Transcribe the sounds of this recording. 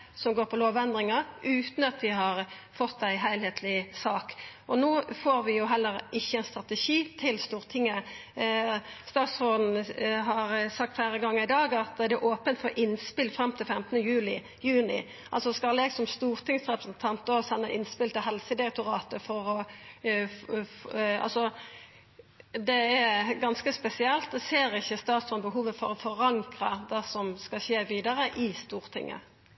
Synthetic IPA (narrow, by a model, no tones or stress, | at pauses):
sɔmɡoːɾpʰɔloːʋɛnd̪ʁɪŋɑʔʉːt̪n̩ɑt̪d̪ɪɦɑʁfɔt̪ːæɪɦæɪlheːt̪ʰlɪsɑːkʔɔnoːfoːɾʋɪjʊɦɛlːəɾɪçːəɛnst̪ʁɑt̪əʃiːt̪ʰɪlst̪uːʁt̪ʰɪŋːə | st̪ɑːt̪sfoːd̪n̩ɦɑɾsɑkt̪fæːɾəɡɑŋːəʁɪd̪ɑːɡɑt̪d̪ɛʔoːpənt̪fɔɾʔɪnspɪlfɾɑmt̪ʰɪlfɛmt̪ənəjʉːlɪ | jʉːnɪ̰ | ʔɑ̰lsɔskɑlɛɡsɔmst̪uːʁt̪ʰɪŋsʁɛpɾəsənt̪ʰɑnt̪oːsɛnːəʔɪnspɪlt̪ɪɦɛlsəd̪ɪɾɛk̚t̪ʊʁɑːt̪əfɔɾɔ | fɑ̰lsɔ | d̪ɛæɡɑnskəspɛsɪɛlt̪̚d̪ɛseːɾɪçːəst̪ɑːt̪sɔnbəɦuːʋəfɔɾɔfɔʁɑŋkɾəd̪ɛsɔmskɑçeːʋiːd̪əɾəʔɪst̪uːʁt̪ʰɪ̰ŋːʔə̰